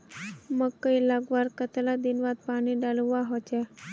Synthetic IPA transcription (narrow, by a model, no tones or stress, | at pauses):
məɡkːəilaɡʋaɾkət̪lad̪inʋat̪̚paɽ̃iɖaluʋaɦɔt͡ɕɛ